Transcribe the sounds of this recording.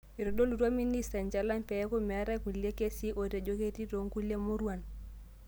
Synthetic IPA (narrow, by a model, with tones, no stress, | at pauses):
i˨ɾo˨do˦lu˨ɾa˦mi˦ni˦sta˨ɲd͡ʒa˨la˦npɛ˨˦ko˦mɛ˨a˦ɾa˦ku˨le˦ke˦si˦ʔo˨ɾe˨d͡ʒo˦ke˦ti˦ɾo˨˦ŋku˦le˦mu˦ɾu˦a˨n